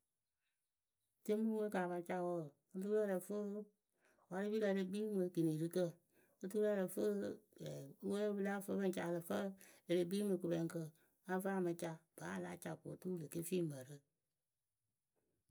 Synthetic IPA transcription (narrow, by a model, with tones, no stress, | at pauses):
te˦mũ˦we˦ka˨ba˧t͡ʃa˧˨wo˦˨ | ɨ˦t̬u˦ɾə˦ɾə˨fə˦ | wa˧ɾɨ˦bi˦kə˧˨le˧ɡ͡bi˦mɨ˧kɨ˨ni˨ɾɨ˦kə˦˨ | ɨ˦tu˦ɾə˦ɾə˨fə˦ɛ˨˦wə˦lo˦bɨ˧la˦fə˧˦bɨ˦n˨t͡ʃa˧˨˧lɨ˨fə˦e˨le˨ɡ͡bi˦mɨ˨˧ku˨bɛ˨ŋkə˧ | a˦va˦˨mɨ˨˧t͡ʃa˧b̥aː˨˦˨la˨˦t͡ʃa˧˨ko˨˦tu˦lɨ˨ke˦fiː˦mə˨ɾɨ˦